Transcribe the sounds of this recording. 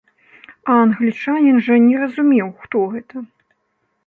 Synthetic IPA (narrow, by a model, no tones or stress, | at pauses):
ɐɐnɣlʲit͡ʂanʲinʐɐnʲɛrɐzumʲɛwxt̪ɔɣɛt̪ɐ